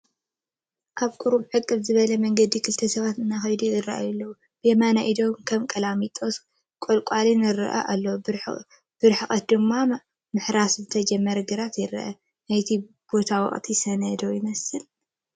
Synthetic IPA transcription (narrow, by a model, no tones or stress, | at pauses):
ʔaβkʼuɾubħɨkʼːɨβzɨβɐlɐmɐŋɡɐd̪ikʰɨlt̪ʰɐsɐβat̪ɨnːaxɐjd̪uɨɾa̰ʔa̰julːɐwu | b̥emanaʔid̪o̞mkʰɐmkʼɐlamit̪ʼos | kʼolkʼalinɨɾɐ̰ʔɐ̰ʔalːo | b̥ɨɾħɨxʼɐt̪̚d̪ɨmːa | mɨħɾaszɨt̪ʰɐd͡ʒɐmːɐɾɐɡɨɾat̪jɪɾɐ̰ʔɐ̰ | najt̪ʰi | b̥o̞t̪ʰawɔ̰χʼt̪ʰisɐnɐd̪ojɪmɐsɨl